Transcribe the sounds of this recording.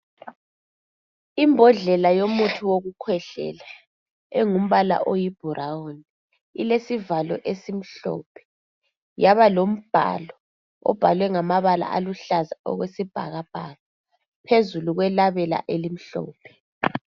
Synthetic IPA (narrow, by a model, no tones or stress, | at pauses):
imbʱɔɮɛlajomutʰuwoɣukʰwɛɬɛ̰la | ɛŋum̩βala̰ʔojib̥ʱuɾaoni | ḭlesivalɔʔesim̩ɬɔ̰ːpʰɛ̥ | jaβalom̩b̥ʱa̰lɔ | ɔ̰b̥ʱalwɛŋamaβala̰ʔa̰luɬazaɔ̰ɣwesib̥ʱa̰ɣab̥ʱaɣa | pʰezuluɣwɛlaβɛla̰ʔelim̩ɬɔ̰ːpʰɛ̥